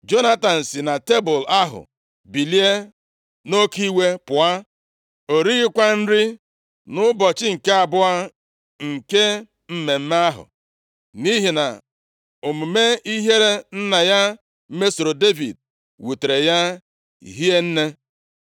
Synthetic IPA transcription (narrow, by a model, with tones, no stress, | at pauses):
d͡ʒo˦na˦ta˨n̩˨si˨na˨te˦bʊ˨la˦ɦʊ̰˨ | bi˨li˦e˦ | no˦ki˦we˦pʊ˨a˦ | o˨ɾi˦i˦kʷa˦n̩˦ɾɪ˦ | nʊ˦bɔ˨t͡ʃɪ˦ŋ̩˨ke˦a˨bʊ˦a˦ | ŋ̩˨ke˦ | m̩˦me˨m̩˦m˦a˦ɦʊ̰˨ | ni˦ɦi˨na̰˨ | o˨mu˨me˦i˦ɦe˦ɾe˦n̩˦na˨ja˦ | m̩˦me˦so˨ɾo˨de˦vḭ˨d̚ | wu˨te˨ɾe˨ja˦ | ḭ˨ɦi˦e˦n̩˦ne˦